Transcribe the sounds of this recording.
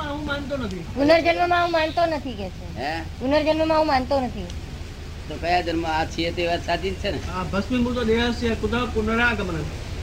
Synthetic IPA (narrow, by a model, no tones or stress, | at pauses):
ãɦũmãːnt̪onət̪ʰipʊnəɾd͡ʒənʋəmãɦũmãːnt̪onət̪ʰikɛːseɦɛpʊnəɾd͡ʒənməmãɦũmãːnt̪onət̪ʰi | t̪oːkəjad͡ʒənmãat͡ʃʰiet̪eʋaːt̪saːt͡ʃ̪it̪̚t͡ʃʰeneabʱəsmĩːbut̪oɗeasiẽkʊd̪apʊnəɾãːkəmənə̃